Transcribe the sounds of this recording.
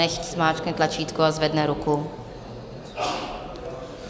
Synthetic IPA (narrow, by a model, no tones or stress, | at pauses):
ɛçtsmaːt͡ʃknɛt̪lat͡ʃiːt̪kuazvɛdnɛɾuku